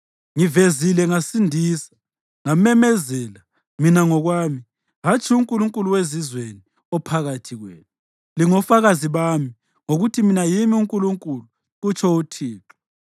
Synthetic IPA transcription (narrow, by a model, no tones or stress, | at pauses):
ŋivezilɛŋasindʱiːsḁ | ŋamɛmɛzɛːla | minaŋɔɣwaːmi | ɦat͡ʃʰʼiuŋkʼuluŋkʼuluwezizweni | ɔpʰaɣatʰiɣwɛ̰ːn | liŋɔfaɣaziβami | ŋoɣutʰiminajimiuŋkʼuluŋkʼuluː | t͡ʃʰɔutʰiːǁɔ̥